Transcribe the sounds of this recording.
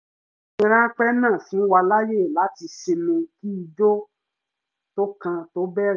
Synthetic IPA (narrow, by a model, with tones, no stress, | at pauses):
ĩ˧ɾ̃ã˦k͡pɛ˦nã˦˨fũ˨˦wa˧la˦je˦˨la˨˦ti˧ʃe˧mĩ˧ki˦i˧d͡ʒo˦ | to˦kã˧to˦bɛ˦˨ɾ